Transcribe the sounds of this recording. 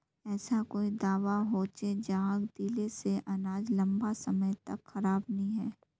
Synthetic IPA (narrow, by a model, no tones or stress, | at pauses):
ɛːsakoːid̪aːʋaɦoːt͡ʃed͡ʒaːɡd̪iːleseʔɐnaːd͡ʒlɐ̃mbasɐməjt̪ɐkxɐɾaːbnɐɦĩɦɛː